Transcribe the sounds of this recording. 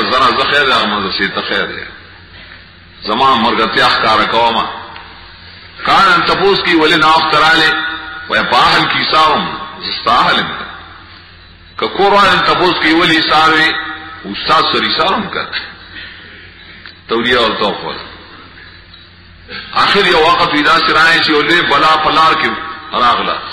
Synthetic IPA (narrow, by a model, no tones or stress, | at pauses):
zɐnazɐxeːɾd̪eaɣɐmɐzɐseːt̪ɐxeːɾd̪ḛ | zɐmãːmɐɾɡɐt̪ejaːxkaːɾɐkɐwama̰ | kaːnɐnt̪ɐpoːskɐiwɐlenaːwɐxt̪ɐɾaːlewʔɐ̰jpaːɦɐlkiːsaːɾumzɐst̪aːɦɐlemk̪ɐ | kɐkoːɾwaːlent̪ɐpoːskɐiwɐlisaːɾweust̪aːd̪sɐɾisaːɾumkɐ̰̥ | t̪ɐwlijaɐɾt̪ɐwxo̰la̰ | aːxɪɾjɐwwaqat̪wid̪aːsiɾaːnet͡ʃijolebɐlaːpɐlaːɾkeɾaːɣla̰